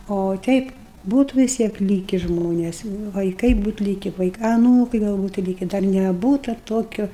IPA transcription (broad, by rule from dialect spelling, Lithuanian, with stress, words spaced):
oː ˈtʲɛɪp ˈbuːtʊ ʋʲɪs ˈtʲiɛk ˈlʲiːkʲɪ ˈʒmoːnʲɛs ʋɐɪˈkɐɪ ˈbuːt ˈlʲiːkʲɪ ˈʋɐɪkɐ ɐˈnuːkɐɪ ˈɡɐlˠ ˈbuːtʊ ˈlʲiːkʲɪ dɐr nʲɛˈbuːtɐ ˈtoːkʲoː